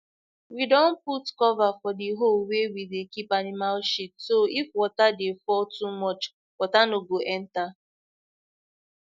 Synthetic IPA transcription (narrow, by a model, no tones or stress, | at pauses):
widɔ̃n̩putkɔvafɔdiɦolwewidekipanimalʃit̚soifwɔtadefɔtumɔt͡ʃ | wɔtanoɡoʔɛn̩ta